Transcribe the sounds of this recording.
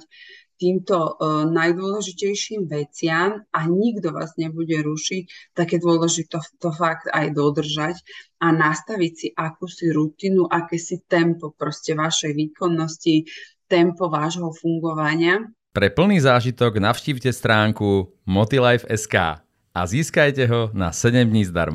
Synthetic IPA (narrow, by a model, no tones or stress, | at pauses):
t̪iːmt̪ɔnajd̪ʊɔlɛʒicɛjʃiːmʋɛt͡sɪamaɲiɡd̪ɔʋa̰ːzɲɛbuɟɛɾuʃic̚t̪aɡjɛd̪ʊɔlɛʒit̪ɔt̪ɔfaɡt̪ajd̪ɔd̪r̩ʒacanast̪aʋicsiʔakuːsiɾut̪inuʔakɛːsit̪ɛmpɔpɾɔscɛʋaʃɛjʋiːkɔnːɔscit̪ɛmpɔʋaːʒɦɔfuŋɡɔʋaɲɪa | pɾɛpl̩niːzaːʒit̪ɔɡnaʊʃciːʋcɛst̪ɾaːŋku | mɔt̪ilajfɛska̰ː | a̰ziːskajcɛɦɔna̰sɛɟɛmd̪ɲiːzd̪a̰ɾm